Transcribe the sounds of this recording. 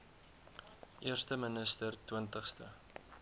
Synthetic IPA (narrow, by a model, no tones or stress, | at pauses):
ʔiərstəmənəstərtwəntəχstə